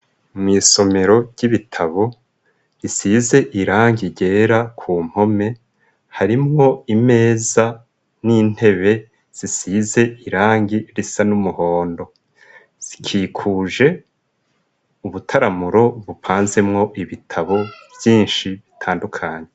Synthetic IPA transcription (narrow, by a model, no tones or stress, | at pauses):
mŋiːso̞me̞ɾo̞ɟ̥iβitʰaβo̞ | ɾisize̞ʔiɾaːŋɡiɟe̞ːɾakʰuːm̥ho̞me̞ | haɾimŋo̞ime̞ːza | nin̥he̞βe̞ | z̥isize̞iɾaːŋɡiɾisanumuho̞ːndo̞ | z̥ikʰiːkʰuːʒe̞ | uβutʰaɾamuɾo̞βupʰaːnze̞mŋo̞ʔiβitʰaβo̞vjiːnʃiβitʰaːndukʰaːɲe̞